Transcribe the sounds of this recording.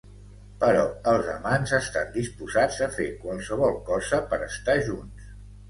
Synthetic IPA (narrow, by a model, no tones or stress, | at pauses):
pəɾɔəlˠzə̰manzəst̪and̪ispuzad͡zəfekwəlˠsəβ̞ɔlˠkɔzəpəɾəst̪aʒuns